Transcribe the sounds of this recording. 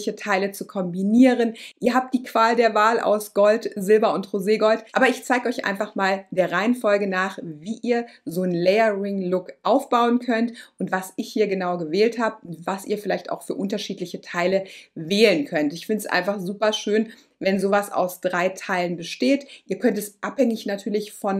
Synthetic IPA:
çətʰaɪlət͡sukʰɔmbiniːʁənʔiːɐɦaːp̚td̥iːkv̥aːldeːɐvaːlʔa̰ʊsɡ̥ɔltzɪlbɐʊntʁoːzeːɡɔltʔa̰ːbɐɪçt͡saɪɡəɔʏçʔa̰ɪnfaχmaːld̥eːɐʁaɪənfɔlɡənaːχviːʔiːɐzoːnlɛːəʁɪŋlʊkʔaʊfb̥aʊənkʰœntʔʊntv̥asɪçhiːɐɡənaʊɡəvɛːlthaːbəʊntv̥asʔḭːɐfɪlaɪçta̰ʊxfyːɐʔʊntɐʃiːtlɪçətʰaɪləvɛːlənkʰœntɪçfɪndsʔa̰ɪnfaχz̥uːpɐʃøːn | vɛnzoːvasa̰ʊsd̥ʁaɪtʰaɪlənbəʃteːtʔiːɐkʰœntɛsʔaphɛŋɪçnatʰyːɐlɪçfɔn

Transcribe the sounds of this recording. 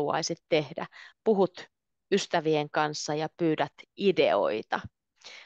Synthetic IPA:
uɑ̰jsit̪te̞hdæ̰puɦut̪ | yst̪æʋieŋkɑnsːɑjɑpyːdæt̪idḛo̞̰jt̪ɑ

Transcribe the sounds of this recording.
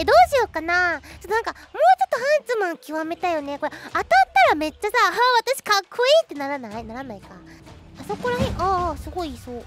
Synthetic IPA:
ed̪o̞ːɕiokanat͡ɕot̪ːonãŋkamo̞ːt͡ɕo̞t̪ːo̞hãnt͡sɨmãŋkʲiβame̞t̪ajo̞neko̞ɾeat̪at̪ːaɾame̞t͡ɕːasaɦaβat̪aɕi̥kakʰːo̞iːt̪ːe̞naɾanainaɾanaika̰aso̞ko̞ɾaɦẽʔasɨɡo̞isoː

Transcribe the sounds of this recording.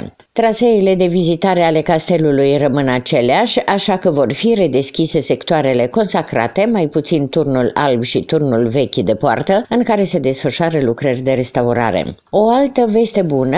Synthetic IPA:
t̪ɾaseile̞d̪e̞vizit̪aɾe̞ale̞kast̪e̞lulujrəmɨnat͡ʃe̞leaʃʲaʃakəvo̞rfiɾe̞d̪e̞skʲise̞se̞kt̪uaɾe̞le̞ko̞nsakɾa̰t̪e̞majput̪sint̪urnula̰lbʃit̪urnulve̞kʲd̪e̞poa̰rt̪əɨŋkaɾe̞se̞d̪e̞sfəʃoaɾəlukɾərʲd̪e̞ɾe̞st̪auɾa̰ɾḛ | o̞alt̪əve̞st̪e̞bunə

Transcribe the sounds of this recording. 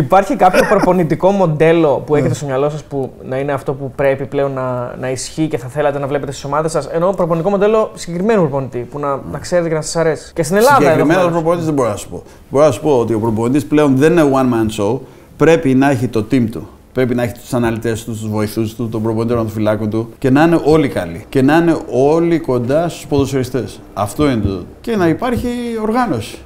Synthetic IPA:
ipɐɾçikɐpço̞pɾo̞po̞nit̪iko̞mo̞d̪e̞lo̞pueçet̪est̪oɲɐlo̞sɐspunɐineɐft̪o̞pupɾe̞piple̞o̞nːɐnɐisçice̞θɐθe̞lɐt̪e̞nɐvlepet̪est̪i̥so̞mɐðe̞sɐse̞no̞pɾoponit̪iko̞mo̞d̪e̞lo̞siɟe̞kɾime̞nopɾopo̞nit̪ipunɐnɐkse̞ɾt̪ecenɐsɐ̥sɐɾe̞si̥cest̪inelɐðɐkɾiimenospɾoponit̪izðeboɾinɐsu̥po̞ | bo̞ɾonɐsu̥po̞ot̪io̞pɾo̞po̞nit̪isple̞o̞nðe̞ninewɐnmɐnso | pɾe̞pinɐeçit̪o̞t̪imt̪u | pɾe̞pinɐeçi̥t̪u̥sɐnɐlit̪e̞st̪ust̪uzvo̞iθust̪ut̪opɾoponit̪eɾont̪ofilɐkot̪uce̞nɐine̞ʔo̞likɐlḭce̞nɐine̞ʔo̞liko̞nd̪ɐst̪uspoðosiɐɾist̪e̞s | ɐft̪o̞inet̪oce̞nɐipɐɾçio̞ɾɣɐno̞si̥

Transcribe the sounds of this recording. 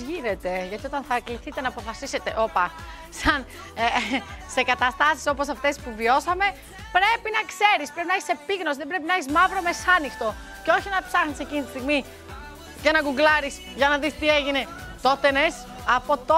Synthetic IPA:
ʝine̞t̪e̞ʝɐt̪io̞t̪ɐnθɐkliθit̪e̞nɐːpo̞fɐsise̞t̪e̞ʔo̞pɐ | sɐn | ese̞kɐt̪ɐst̪ɐsi̥so̞po̞s̬ɐft̪e̞spuvio̞sɐme̞ | pɾe̞pinɐkse̞ɾispɾe̞pinɐɐçi̥se̞piɣno̞siðebɾe̞pinɐɐçizmɐvɾo̞me̞sɐnixt̪o̞ | ceo̞çinɐpsɐxnise̞cinit̪ist̪iɣmi | cenɐɡuŋɡlɐɾis | ʝɐnɐðist̪ie̞ʝine | t̪o̞t̪e̞nes | ɐpo̞t̪o

